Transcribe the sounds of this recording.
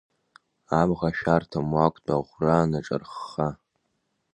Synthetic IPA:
amʁaʃᶣartʰamwakʷʼtʰʼaʁʷraːnaʈ͡ʂʼa̰rχa

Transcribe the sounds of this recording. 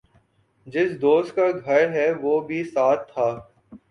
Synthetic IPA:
d͡ʒɪsd̪oːst̪̚kaɡʱɐɾɦɛʋoːbʱisaːt̪ʰːaː

